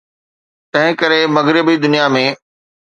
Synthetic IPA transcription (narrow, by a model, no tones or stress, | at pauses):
t̪ɐ̃ɦɪ̃kɐɾemɐɣɾɪbid̪ʊnijamẽː